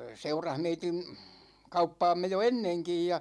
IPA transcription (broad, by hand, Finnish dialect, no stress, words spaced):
seurɑh meitin̞ kɑupːɑːmːe jo enːeŋkij jɑ